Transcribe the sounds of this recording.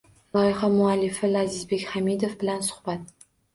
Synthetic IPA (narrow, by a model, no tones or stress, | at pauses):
lˠɒjɪχamʊalːɪfɪlazɪzbe̞kʲhamid̪ofbɪlansʊ̥hb̥at̪̚